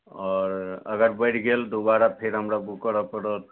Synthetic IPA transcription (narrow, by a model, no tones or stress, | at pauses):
ɔɾə̰ɡəɾbəjʈʰɡeld̪ubaɾapʰeɾɦəmɾabukəɾəpəɾot̪